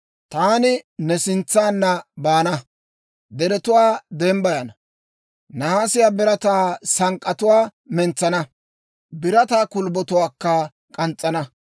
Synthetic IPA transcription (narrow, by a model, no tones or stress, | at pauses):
t̪aːnɪnɛsɪnt͡sːaːnːɐbaːnɐ | d̪ɛɾɛt̪ʊwaːd̪embɐjɐnɐ | nɐhaːsɪjaːbɪɾɐt̪aːsɐŋkʼːɐt̪ʊwaːmɛnt͡sːɐnɐ | bɪɾɐt̪aːkʊlbɔt̪ʊwaːkːɐ | kʼɐnt͡sʼːɐnɐ